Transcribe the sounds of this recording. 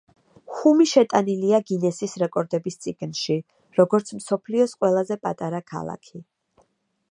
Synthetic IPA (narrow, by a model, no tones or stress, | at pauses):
χumiʃɛt̪ʼaniliaɡinɛsisɾɛkʼɔɾd̪ɛbist̪sʼiɡ̥nʃi | ɾɔɡɔɾt̪sʰmsɔpʰliɔsqʼwɛlˠazɛpʼat̪ʼaɾakʰa̰lˠa̰kʰi